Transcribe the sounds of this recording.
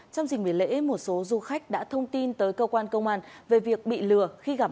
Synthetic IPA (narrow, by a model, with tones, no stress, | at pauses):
t͡ɕɔ˧wŋ͡mzï˨˩ŋ̟ɓi˧˩lḛ˧˥mo˨˩t̚so˨˦zu˧xa˦˥jk̟̚ɗa̰ː˧˥t̪ʰə˧wŋ͡mt̪i˧nt̪əː˨˦jkəː˧kwaː˧nkə˧wŋ͡mʔaː˧nve˨˩vi˨˩ək̚ɓḭ˧˨lɨ˨˩əxi˧ɣa˧˩